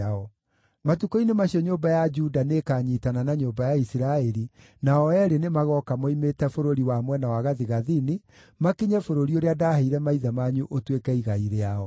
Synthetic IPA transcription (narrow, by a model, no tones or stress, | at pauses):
aɔ | matukoinemaɕiɔɲoːbajad͡ʒudanekaːɲitananaɲoːmbajaisiɾaɛɾi | naɔɛɾenemaɣɔkamoimetɛfoɾoɾiwamwɛnawaɣaðiɣaðini | makiɲɛfoɾoɾioɾeadahaiɾɛmaiðamaɲuʔotwekɛiɣaiɾeaɔ